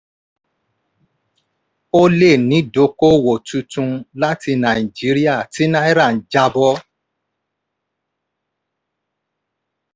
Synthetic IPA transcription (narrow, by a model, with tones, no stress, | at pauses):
o˦le˦˨nĩ˨˦do˨˦ko˦wo˨tu˧tũ˧la˦ti˧nã˨i˨d͡ʒi˨˦ɾi˦a˦˨ti˨˦nã˦i˦ɾã˦˨n̩˨d͡ʒa˧bɔ˦